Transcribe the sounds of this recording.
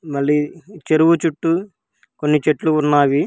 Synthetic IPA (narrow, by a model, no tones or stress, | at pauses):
mɐɭːiːt͡ʃeɾuwut͡ʃuʈːu | konːit͡ʃeʈluːnːaːʋi